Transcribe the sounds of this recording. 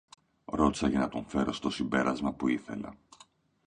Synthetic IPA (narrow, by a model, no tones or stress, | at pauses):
ɾo̞t̪i̥sɐʝɐnɐt̪oɱfe̞ɾo̞st̪o̞simbe̞ɾʔɐzmɐpuiθe̞lɐ̰